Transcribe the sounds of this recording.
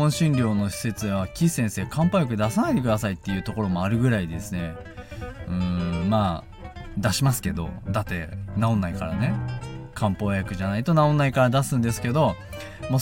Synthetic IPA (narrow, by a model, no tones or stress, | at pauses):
õɰ̃ɕĩnɾʲo̞ːno̞ɕi̥se̞t͡sɨβakʲisẽ̞ɰ̃se̞ːkʰãmpajak̬ɯ̟d̪asanait̪e̞kɯ̟d̪asait̪ːe̞jɯ̟ːt̪o̞ko̞ɾo̞mo̞aɾɯ̟ɡɯ̟ɾaid̪e̞sɨne̞ | ɯ̟̃ːmaː | d̪aɕimasɨ̥ke̞d̪o̞̰d̪at̪ːe̞̰naõ̞nːaikaɾa̰ne̞kʰãmpo̞ːjakɯ̟ʑanait̪o̞naõ̞nːaikaɾad̪asɨ̃nd̪e̞sɨ̥ke̞d̪o̞ | mo